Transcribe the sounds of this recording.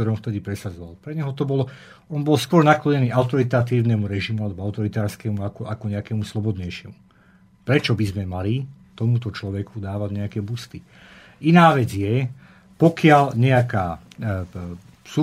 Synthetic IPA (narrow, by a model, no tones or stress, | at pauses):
ɔɾɔmft̪ɛd̪ipɾɛsad͡zɔʋalpɾɛɲɛɦɔt̪ɔbɔlɔ | ɔnbɔlskʊɔɾnaklɔɲɛniːaʊt̪ɔɾit̪at̪iːʊnɛmuɾɛʒimualɛbɔaʊt̪ɔɾit̪aːɾskɛmuakɔʔakɔɲɛakɛmuslɔbɔd̪ɲɛjʃɪɛmu | pɾɛt͡ʃɔbizmɛmalit̪ɔmut̪ɔt͡ʃlɔʋɛkud̪aːʋaɟɲɛakɛbust̪i | inaːʋɛd͡zjɛ | pɔkɪalɲɛakaː | su